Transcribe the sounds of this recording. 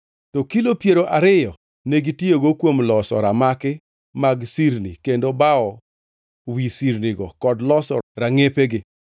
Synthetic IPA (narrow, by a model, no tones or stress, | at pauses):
tokilopjeɾoʔaɾɪjɔ | neɡitjoɡokwomlɔsɔ̰ɾamakɪ | maɡsiɾnikendobaɔ | wisiɾniɡɔkɔdlɔsɔ̰ɾaŋepeɡɪ